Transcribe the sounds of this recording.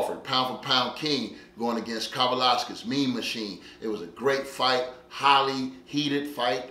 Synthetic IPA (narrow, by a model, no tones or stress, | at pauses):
fə̰˞d̚pʰãʊ̃fl̩ˠpʰãʊ̃nkʰɪ̃ŋɡ̥oʊɪ̃ŋɨɡɛ̃nskʰɑvəlæskɨzmĩnmɨʃĩn | ʔɨt̚wʌzɨɡɹeɪtfaɪt̚ | haɪlˠihiɾɨd̥faɪt̚